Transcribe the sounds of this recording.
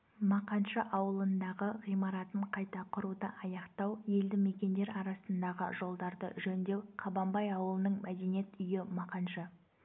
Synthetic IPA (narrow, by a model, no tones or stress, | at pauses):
mɑqɑnʃəʔɑwəlˠənd̪ɑʁəʁijmɑɾɑt̪əɴqʰɑjt̪ɑqʰʊɾud̪əʔɑjɑqt̪ɑwje̞ld̪ɪme̞kʲe̞nd̪e̞ɾɑɾɑsənd̪ɑʁə̰ʒo̞lˠd̪ɑɾd̪ə̰ʒɵnd̪e̞wqʰɑbɑmbɑjɑwəlˠənəɴmæd̪e̞nije̞t̪ʏjɪmɑqɑnʃə